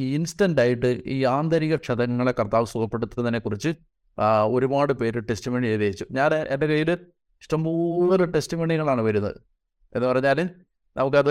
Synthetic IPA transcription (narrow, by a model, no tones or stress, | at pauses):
iinsʈɐnɖaːjiʈːɨiːaːnd̪ɐɾiɣɐʂɐðɐŋːɐɭe̞kːɐrt̪aːʋɨsuɣɐpːe̞ɽut̪ːɐɐt̪ɐnːekːurit͡ɕːɨ | o̞ɾubaːɽɨpe̞ːɾɨʈesʈimeɳieːðeːit͡ɕːuɲaːneɖɐkɐjilɨ | iʂʈɐmbuːðɐlɨʈesʈimeːɳiŋːɐɭaːɳɨʋɐɾunːɐ̰ðɨ̰ | enðɨpɐrɐɲːaːlɨ | nʔɐʋɐkːe